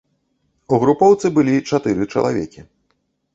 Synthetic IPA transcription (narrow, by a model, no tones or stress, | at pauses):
uɣɾupɔwt̪sɨbɨlʲit͡ʂat̪ɨɾɨt͡ʂɐ̰lˠa̰vʲɛkʲi